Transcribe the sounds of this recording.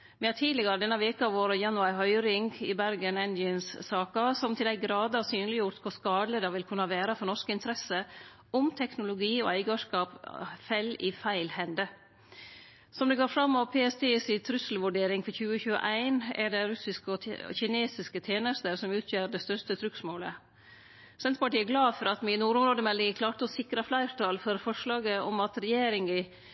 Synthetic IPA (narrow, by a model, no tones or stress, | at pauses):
ʋɪhɑːt̪ʰiːd̪lɪɡɑɾəd̪ɛnːɑʋeːkəɑʋoːɾəjɑnʉɑɪɦœʏɾɪŋɡɪ̰bæɾɡənɛnd̪ɪənssɑːkɑsɔmt̪ʰɪld̪æɪɡɾɑːd̪əɑsyːnlɪjʊɾt̪kʰʊskɑːd̪ləd̪ɑʋɪlkʰʉnːəɑʋæːɾɑfɔɾnɔʂkɪnt̪əɾɛsə | ʊmt̪ʰɛknʊlʊɡiːɔ̰æɪɡəʂkɑːpfɛlifæɪlhɛnd̪ə | sɔmd̪ɛɡoːɾfɾɑmːɔʋpʰeːɛst̪ʰeːsɪt̪ʰɾʉsl̩ʋʉɖeːɾɪŋfɔɾçʉːəçʉːə̰ʔæɪnɛ̰ɖɛɾʉsɪskəɔ̰çɪneːsɪskət̪ʰjeːnəst̪əɾsɔmʉːt̪ʰjøːɾɖɛst̪œʂtət̪ʰɾʉksmoːlə | sɛnt̪əpɑʈiːæɡlɑːfɔɾɑt̪mɪnuːɾʊmɾoːd̪əmɛlːɪŋkʰlɑːʈəɔsɪkɾɑflæɪɾʈ̪ʰɑlfɔɾfɔʂlɑːɡəɔmɑt̪ɾɛjeːɾɪŋə